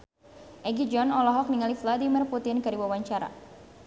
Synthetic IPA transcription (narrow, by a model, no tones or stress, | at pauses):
ʔɛɡid͡ʒɔnɔlɔɦɔk̚niŋalifladimirput̪ɪnkɨɾiwawaɲt͡ʃaɾa̰